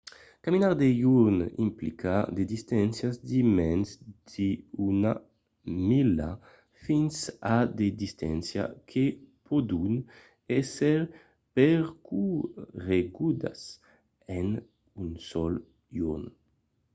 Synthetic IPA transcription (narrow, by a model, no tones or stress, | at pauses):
kaminaɾd̪ejuɾnḭmplikʰad̪ed̪ist̪ɛnsjazd̪imɛnsd̪̥iuna | mila̰ | finsad̪ed̪ist̪ɛnsja̰kʰepʰɔd̪un | ɛsɛɾ | peɾkuʁeɡud̪a̰s | ɛn | unsɔl | juɾn